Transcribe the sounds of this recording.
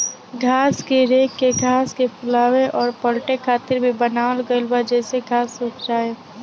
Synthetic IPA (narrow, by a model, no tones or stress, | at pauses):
ɡʱaːskeɾeːkːeɡʱaːskepʰʊlaːweʔɔːɾpəlʈekʰaːt̪ɪɾbʱibənaːʋəlɡəlbad͡ʒɛːseɡʱaːsʊkʰd͡ʒaːe